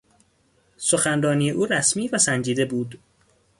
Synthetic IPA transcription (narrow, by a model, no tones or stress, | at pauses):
soxænrɒːniːjeʔuːɾæsmiːvæsænd͡ʒiːd̪e̞buːd̪